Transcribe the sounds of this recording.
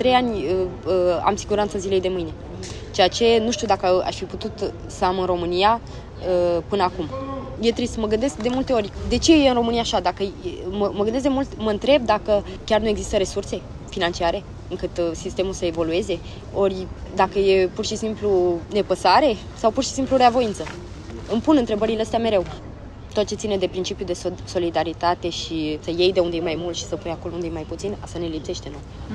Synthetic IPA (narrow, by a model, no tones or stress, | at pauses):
t̪ɾe̞janʲəəa̰msiɡuɾant̪səzile̞jd̪e̞mɨjne̞ | t͡ʃe̞at͡ʃe̞nuʃt̪iud̪akəa̰ʃfiput̪ut̪ | səamɨnro̞mɨnia | əpɨnəakumjet̪ɾisməɡɨnd̪eskd̪e̞mult̪e̞o̞rʲd̪e̞t͡ʃe̞jeɨnro̞mɨnijaːʃad̪akəməməɡɨnd̪es̬d̪mult̪məɨnt̪ɾe̞b̚d̪akə | kʲarnueɡzist̪əɾe̞surse̞ | finant͡ʃiaɾe̞ | ɨŋkɨt̪sist̪e̞mulsəevo̞lue̞ze̞ | o̞rʲd̪akəje̞purʃisimplune̞pəsaɾe̞ | sawpurʃi̥simpluɾeavo̞int̪sə | ɨmpunɨnt̪ɾe̞bəɾileəst̪eame̞ɾew | t̪o̞t̪̚t͡ʃe̞t̪sined̪e̞pɾint͡ʃipjud̪e̞so̞lid̪aɾit̪at̪e̞ʃisəje̞jd̪e̞und̪ejemajmult̪ʃi̥səpujakolound̪ejemajput̪sinasane̞lipse̞ʃt̪e̞noj